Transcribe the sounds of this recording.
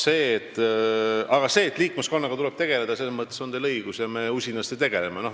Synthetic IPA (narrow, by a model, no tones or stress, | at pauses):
se̞ːt̪ːˑ | ɑɡ̥ɑse̞ːt̪ːˑliːkːˑmesko̞nːɑɡ̥ɑt̪ule̞b̥̚t̪e̞ɡ̥e̞le̞d̪̥ɑseːmɤt̪ːˑeso̞nd̪elɤjɡ̥usjɑme̞usʲinːɑst̪et̪e̞ɡ̥e̞lemeno̞